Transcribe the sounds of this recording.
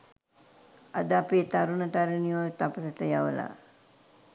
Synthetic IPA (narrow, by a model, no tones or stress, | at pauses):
ad̪əapit̪aɾunət̪aɾənijot̪apəsət̪əjaʋə̰la̰